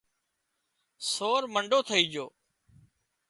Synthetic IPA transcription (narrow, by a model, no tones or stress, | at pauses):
soːɾməɳɖoːt̪ʰəiːd͡ʒoː